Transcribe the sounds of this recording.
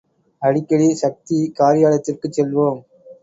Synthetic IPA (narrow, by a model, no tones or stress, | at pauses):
ɐɽɪkːɐɽiʃɐk̚t̪ikaːɾɪjaːlɐt̪ːɪrkɯt͡ʃːɛlʋoːm